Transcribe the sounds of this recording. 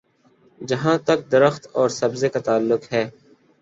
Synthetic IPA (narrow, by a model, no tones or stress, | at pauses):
d͡ʒɐɦãːt̪ɐk̚d̪ɐɾəxt̪ɔːɾsɐbzekat̪aːlːʊkɦɛː